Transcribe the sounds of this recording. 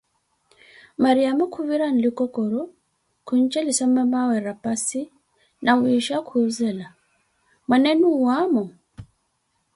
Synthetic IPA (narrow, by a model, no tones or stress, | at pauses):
maɾijamukʰuβiɾan̩likɔkɔɾɔ | kuɲ̩t͡ʃɛlisamamawɛɾapasi | nawiʃakʰuzɛla | mwanɛnuwamɔ